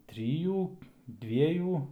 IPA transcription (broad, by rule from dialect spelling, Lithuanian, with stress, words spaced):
ˈtʲrʲɪjuː ˈdʲʋʲiɛjuː